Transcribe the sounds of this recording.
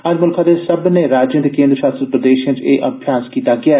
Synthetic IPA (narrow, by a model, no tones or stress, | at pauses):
əd͡ʒmʊlkʰãːd̪eːsəbneːɾaːd͡ʒjə̃nd̪ekẽːnd̪ɾəʃaːst̪əd̪̚pɾəd̪eːʃiãːt͡ʃeːʔəbʱjaːskiːt̪aːɡɪaː